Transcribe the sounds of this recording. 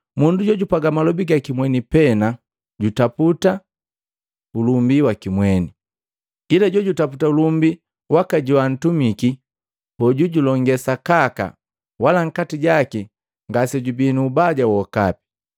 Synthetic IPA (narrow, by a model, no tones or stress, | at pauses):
munduɟɔɟupaɡamalɔbiɡakimwɛnipɛna | ɟutaputa | ulumbiwakimwɛni | ilaɟɔɟutaputaulumbi | wakaɟiwan̩tumiki | hɔɟuɟulɔŋɡɛsakaka̰ | walaŋ̩katiɟaki | ŋɡasɛɟubinuːbaɟawɔka̰pi̥